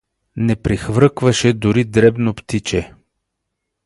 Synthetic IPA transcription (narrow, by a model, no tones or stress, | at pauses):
nɛpɾixvɾɤkvɐʃɛd̪ʊɾid̪ɾɛbnopt̪it͡ʃɛ